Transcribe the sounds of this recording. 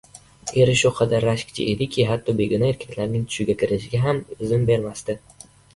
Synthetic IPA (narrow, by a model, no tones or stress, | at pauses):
e̞ɾɪʃʊqʰɑd̪aɾːaʃkʲt͡ʃʰɪ̰ʔed̪ɪkʲʰɪɦat̪ʰːɒbe̞ɡʲʊnaeɾkʲʰḁkʲʰlaɾnɪŋt̪ʰʊ̥ʃɪɡʲakʲʰɪɾɪʃɪɡʲaɦamɪzɪmbe̞ɾmast̪ɪ